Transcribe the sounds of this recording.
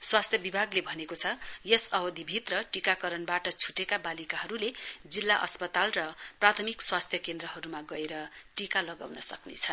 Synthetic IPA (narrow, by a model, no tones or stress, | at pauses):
swast̪ʰjʌbibʱaɡlebʱʌnekot͡sʰʌjesʌɦʌd̪ʱibʱit̪rʌʈikakʌɾʌnbaʈʌt͡sʰu̥ʈekabalikaɦʌɾuled͡zilːaʔʌ̰spʌt̪alrʌprat̪ʰʌmikswast̪ʰjʌkend̪rʌɦʌɾumaɡʌeɾʌʈikalʌɡa̰wnʌsʌknet͡sʰʌn